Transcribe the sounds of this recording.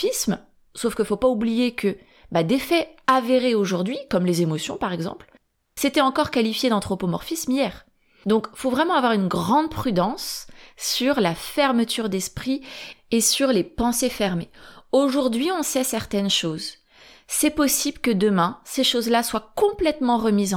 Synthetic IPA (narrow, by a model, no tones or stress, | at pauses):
ism | sofkəfopaublijekʰə | bad̪efɛaveʁeoʒuʁd̪ɥikɔmlezemɔsjɔ̰̃paʁɛɡzɑ̰̃pl | set̪ɛɑ̃kɔʁkalifjed̪ɑ̃t̪χopomɔʁfismijɛːʁ | d̪ɔ̃kfovʁɛmɑ̃avwaʁynɡʁɑ̃d̪̚pχyd̪ɑ̃sː | yʁlafɛʁmət̪yʁd̪ɛspχiesyʁlepɑ̃sefɛʁmeoʒuʁd̪ɥiɔ̃sɛsɛʁt̪ɛnʃoz | sɛpɔsiblkəd̪əmɛ̃seʃozlaswakɔ̃plɛt̪mɑ̃ʁəmiz̃